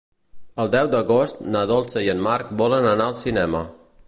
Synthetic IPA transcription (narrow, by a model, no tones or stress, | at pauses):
əlˠd̪ɛwd̪əɣost̪naðɔlˠsəiənmaɾk̚bɔlənənaəlˠsinɛmə